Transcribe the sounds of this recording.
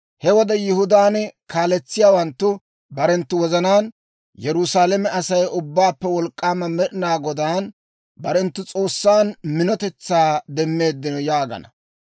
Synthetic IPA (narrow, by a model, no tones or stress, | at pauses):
hɛwɔd̪ɛjɪhʊd̪aːnɛkaːlɛt͡sːɪjaːwɐnt̪ːʊ | bɐɾɛnt̪ːʊwɔzɐnaːn | jɛɾʊsaːlɛmɛʔɐsɐjʔʊbːaːpːɛwɔlkʼːaːmɐmɛɗɪnaːɡɔd̪aːn | bɐɾɛnt̪ːʊt͡sʼo̞ːsːaːnmɪnɔt̪ɛt͡sːaːd̪ɛmːe̞ːd̪ːɪnɔjaːɡɐ̰nɐ